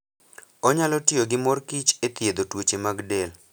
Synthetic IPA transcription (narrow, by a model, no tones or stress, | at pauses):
ɔɲalɔtɪoɡɪmɔrkit͡ʃet̪ɪed̪otwot͡ʃemaɡdel